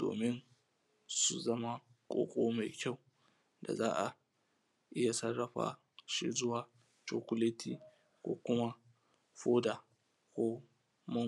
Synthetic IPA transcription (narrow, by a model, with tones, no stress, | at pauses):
d̥o̰ː˨mɪ˦n | su˨zɐ˦ma˦ | kʷʼo̰ː˦kʷʼoː˦ma˨jkʲa˦˨w | da̰˨zaː˦ʔa˨ | ʔɪ˦ja˨sɐ˦rːɐ˨ɸa̰ː˦ | ʃḭ˦zʊ˦waː˨ | t͡ʃoː˨kʷʊ˦leː˦tʰiː˦ | kʷo̰ː˦kʷʊ˦ma˦ | ɸoː˦daː˨ | kʷoː˦ | mɐ˦